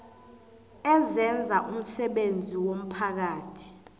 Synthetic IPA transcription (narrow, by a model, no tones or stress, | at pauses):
ɛzɛnd͡zʱaʔum̩sɛɓend͡zʱiwom̩pʰak̬aːtʰi̥